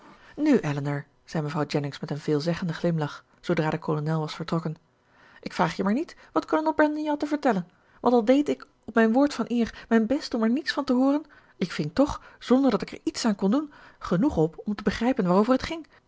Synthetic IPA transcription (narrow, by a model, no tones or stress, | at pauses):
nyʔɛlənəɹ | z̥ɛjməvrɑwd͡ʒɛnɪŋsmɛtənvɪːlˠzɛχəndəχlɪmlɑχ | sowdraːdəkolonɛlˠʋɑsfəɹtrɔkən | ʔɪkfraːχjəmaːɹnitʋɑtkolonɛlˠbɹɛndənjawtəvəɹtɛlən | ʋɑ̰ntɑlˠdejtɪk | ɔpmɛjnʋʊːɹtfɑnʔɪːɹmɛjnbɛstɔmɛɹnitsfɑntəɦʊːrən | ɪkfɪŋtɔχz̥ɔndəɹdɑtɪkɛ̰ɹitsaːnkɔndunχənuχɔpɔmtəbəχrɛjpənʋaːrowvərɦətχɪŋ